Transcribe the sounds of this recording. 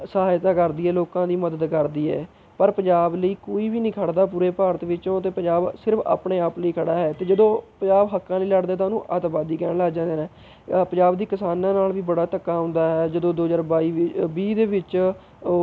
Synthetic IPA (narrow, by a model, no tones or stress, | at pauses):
səɦaːjt̪aːkəɾd̪iːɦɛːloːkãːd̪iːməd̪əd̪kəɾd̪iːɦɛ̰ː | pəɾpə̃ɲd͡ʒaːbləiːkoːiːʋiːnĩːkʰəɽd̪aːpuːɾeːpaːɾət̪ʋɪt͡ʃõːt̪eːpə̃ɲd͡ʒaːbsɪɾəpʰa̰ːpɳeːaːpləiːkʰəɽaːɦɛːt̪eːd͡ʒəd̪õːpəɲd͡ʒaːbɦəkːãːləiːləɽd̪eːt̪ãnũːʔət̪baːd̪iːkɛːɳlaɡd͡ʒãːd̪eːnɛ̃ː | pəɲd͡ʒaːbd̪iːkɪsaːnãːnaːlʋiːbəɽaːt̪əkːaːɦʊ̃ːnd̪aːɦɛːd͡ʒəd̪õːd̪oːəzaːɾbaːiːbiːd̪eːʋɪt͡ʃ